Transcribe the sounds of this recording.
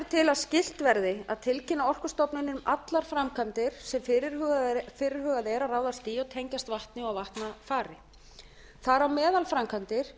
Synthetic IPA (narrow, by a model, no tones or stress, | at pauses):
ɾt̪ʰɪlaðscɪl̥t̪vɛɾðɪaðt̪ʰɪlcʰɪnaɔr̥kʏst̪ɔpnɪnʏmat̪laɾ̥fɾamkʰant̪ɪɾ̥sɛmfɪɾɪɾɣfɪːɾɪɾ̥ɦœːɣaðɛɾaraːwðast̪iːjɔt̪ʰɛɲcast̪vaht̪nɪawvaht̪nafaːɾɪ | θaɾawmɛːðalfɾamkʰant̪ɪɾ̥